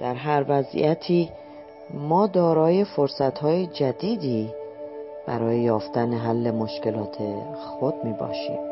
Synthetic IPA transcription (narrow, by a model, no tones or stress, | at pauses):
d̪̥æɾɦæɾvæzḭjæt̪ʰiː | mɒːd̪ɒːɾɒːje̞foɾsæt̪hɒːje̞d͡ʒæd̪iːd̪iː | b̥æ̰ɾɒːjejɒːft̪æneɦælːe̞moʃce̞lɒːt̪ʰe̞xo̞d̪̥̚miːbɒ̰ːʃḭːm